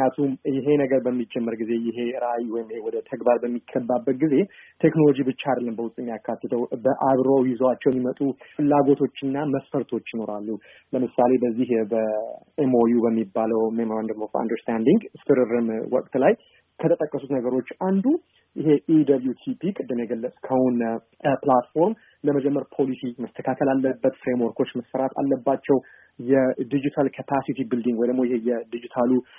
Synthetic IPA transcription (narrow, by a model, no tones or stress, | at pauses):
kjat̪ʰumjɪɦe̞nəɡəɾbəmːid͡ʒɛmːəɾɡize̞jɪɦe̞ɨɾajiwɔjɪmhewɔd̪ət̪ʰəɡbaɾbəmːikʰːəbːabːət̪̚ɡize̞t̪ʰe̞knolo̞d͡ʒibɨt͡ʃːad̪lːəmbəwʊst̪ʼɪmːijakʰːat̪ːɨt̪ʰəwbəʔaβɾowjɪzoat͡ʃːɛwɛmːimət̪ʼufɨlːaɡo̞t̪ʰo̞t͡ʃːɨnːaməsfəɾt̪ʰo̞t͡ʃːjɪno̞ɾalːu | ləmɨsale̞bəzːihbə | emojubəmːibːaləwmemoɾand̪əlofa̰nd̪əɾst̪ʰand̪iŋɡɨst̪ʰɨɾɨɾɨmwɔ̰kʼt̪laj | kʰət̪ʰət̪ʼəkʼːəsut̪nəɡəɾo̞t͡ʃːʔand̪u | ʔɪɦe̞ʔid̪ɐbljut̪ʰipikʼɨd̪ːɨmjɛɡəlːəsʼkʰəwʊn | plat̪fo̞ɾm | ləməd͡ʒɛmːəɾpʰo̞lisiməst̪ʰəkʰat̪ʰəlalːəbːət̪fɾemwɔɾkʰo̞t͡ʃːməsfəɾat̪ʰa̰lːəbːat͡ʃːɛw | jɛd̪id͡ʒit̪ʰalkʰəpʰasit̪ibɨld̪iŋɡwɔjd̪əmːojɪhe̞jɛd̪id͡ʒit̪ʰalu